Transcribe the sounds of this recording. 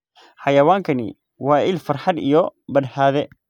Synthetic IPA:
ħɑjɐwaːŋkʰɐnɪ̰ | wɑːʔɪlfɐrħɑd̪ijɔbɐd̪haːðɛ

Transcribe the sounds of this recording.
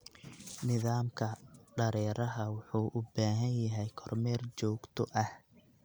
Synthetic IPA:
nɪðaːmkʰɐɖɐɾɛːɾɐɦɐwʊħuːʔʊbaːɦɐnjɐɦɛjkʰɔrmɛːrt͡ʃɔːɡt̪ʰɔʔɐh

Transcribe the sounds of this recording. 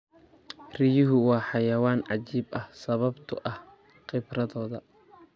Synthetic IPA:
rɪjʊɦʊwɑːħɑjɐwaːnʕɑt͡ʃiːbɐhsɐβɐbt̪ʰʊ̰ʔɐh | qɪbrɐðɔːðɐ

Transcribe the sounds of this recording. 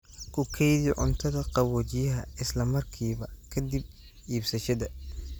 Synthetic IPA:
kʰʊkʰɛjðiʕʊ̰nt̪ʰɐðɐqɑβɔːt͡ʃɪjɐɦɐɪslɐmɐrkʰiːβɐkʰɐd̪ib̚ | iːbsɐʃɐd̪ɐ

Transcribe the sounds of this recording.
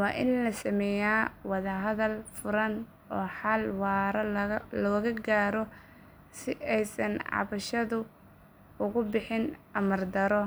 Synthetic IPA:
wɑːʔɪnlɐsɐmɛjaːwɑðɐɦɐðɐlfʊɾɐn | ɔːħalwɑːɾɐlɔːɣɐɡaːɾɔ | sɪʔɛjsɐnʕɑ̰βɐʃɐðʊ | ʊɣʊbɪħɪn | ɐmɐrd̪ɐɾɔ

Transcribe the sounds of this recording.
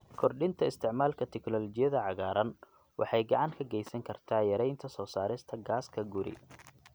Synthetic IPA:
kʰɔrɗɪnt̪ʰɐɪst̪ʰɪʕmaːlkʰɐt̪ʰɪknɔːlɔt͡ʃɪjɐðɐʕɑɣaːɾɐn | wɑħɑjɡɑʕɑŋkʰɐɡɛjsɐŋkʰɐrt̪ʰaːjɐɾɛjnt̪ʰɐsɔːsaːɾɪst̪ʰɐɡaːskʰɐɡʊɾɪ̰

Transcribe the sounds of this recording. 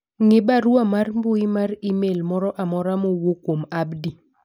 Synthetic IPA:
ŋɪbaɾuamarmbʊimaɾimelmɔɾɔʔamɔɾamowokwomabdi

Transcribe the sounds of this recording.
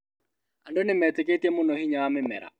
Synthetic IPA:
andɔnɪmɛtek̬etjemʊnɔhiɲaamɪmɛ̰ɾa̰

